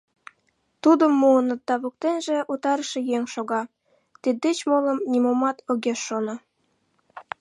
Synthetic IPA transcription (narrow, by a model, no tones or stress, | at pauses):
t̪ud̪əmːuənə̆d̪ɑβok̚t̪enʒĕʔut̪ɑɾə̆ʃĕjeŋʲʃoɣɑ | t̪id̪ːet͡ɕmolə̆mnimomɑt̪ʰoɣeʃːono